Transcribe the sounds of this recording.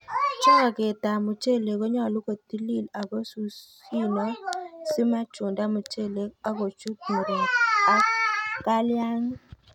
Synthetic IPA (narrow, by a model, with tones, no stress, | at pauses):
t͡ʃɔ˦ŋa˨ke˨ta˨mʊ˨t͡ʃe˦le˨kɔ˦ɲɔ˦˨lʊ˦ko˨t̪i˦li˦˨la˨ɡo˦su˦s | i˦nɔ˦sɪ˦ma˦t͡ʃʊ˨nda˦mʊ˨t͡ʃe˦˨le˨a˦ɡo˨t͡ʃu˦k̚mo˨ɾo˨ŋa˦ka˦lja˦ŋ˦